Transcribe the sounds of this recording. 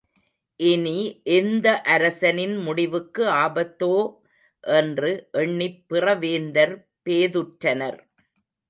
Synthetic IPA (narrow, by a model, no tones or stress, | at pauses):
ʔɪniʔɛnd̪ɐʔɐɾɐsɐnɪnmʊɽɪʋɯkːɯaːbɐt̪ːoː | ʔɛndrɯʔɛɳːɪpːɪrɐʋeːnd̪ɐɾ | peːðɯʈɾɐnɐɾ